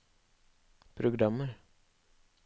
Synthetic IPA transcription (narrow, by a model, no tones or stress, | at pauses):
pʰɾʊɡɾɑməɾ